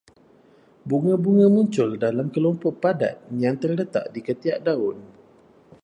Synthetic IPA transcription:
buŋãbuŋãmuɲt͡ʃʊldalamkəlɔmpɔʔpada̰t̪̚jaŋt̪ərlət̪a̰ʔdikət̪iaʔdaʊn

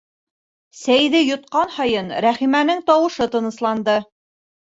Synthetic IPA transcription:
sæjðɘjŏt̪̚qɑnhɑjɤnɾæχimænɘŋt̪ɑwɤ̆ʃɤt̪ɤ̆nɤ̆slˠɑnd̪ɤ

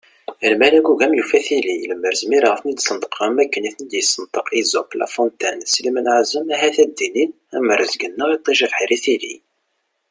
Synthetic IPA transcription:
əlmælæɡuʝæmjufæθililəmːəɾəzmiɾʁəfnid̪sənd̪ə̥qʰːɑmːækːəniθnəd̪jəsːənt̪ˤəqizʊqlæ̰font̪ænslmənʕzəmæɦæθæd̪ːinin | æməɾəzɡənːəʁit̪ˤːiʒəfħiɾiθilḭ

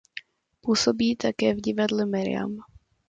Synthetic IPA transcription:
puːsobiːt̪akɛːvɟɪvadlɛmɛɾɪ̰a̰m

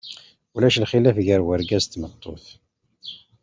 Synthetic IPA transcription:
ulæʃlχilæfʝəɾwəɾɡæzt̪ːmət̪ˤːoθ

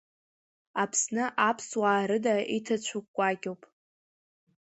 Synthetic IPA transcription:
apʰsnɨʔapʰswaːɾɨdaitʰat͡ɕʷʰukʷʼːaɡʲʼowpʼ

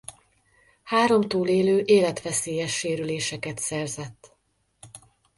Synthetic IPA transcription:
haːɾo̞mt̪uːleːløːʔeːlɛt̪ʋɛseːjɛʃːeːɾyleːʃɛkɛt̪sɛrzɛt̪ː

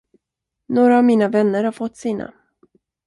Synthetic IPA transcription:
noːɾaːvmiːnavɛnːəɾhaɾfɔt̪ːsiːna̰

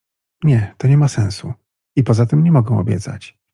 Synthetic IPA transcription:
ɲɛt̪ɔɲɛmasɛ̃w̃su | ipɔzat̪ɘmɲɛmɔɡɛ̃w̃ɔ̰bʲjɛ̰t̪sa̰t͡ɕ

